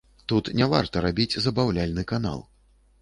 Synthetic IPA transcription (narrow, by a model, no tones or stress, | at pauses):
t̪ut̪nʲava̰rt̪ɐɾabʲid͡zʲzɐbawlʲalʲnɨkana̰lˠ